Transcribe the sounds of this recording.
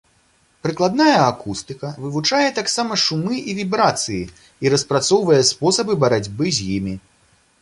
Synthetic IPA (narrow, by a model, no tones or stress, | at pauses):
pɾɨklˠad̪najɐːkust̪ɨkɐvɨvut͡ʂajɛt̪aksamɐʂumɨʔivʲibɾat̪sɨji | iɾɐspɾat̪sɔwvɐjɛspɔsɐbɨbɐɾad͡zʲbɨzʲjimʲi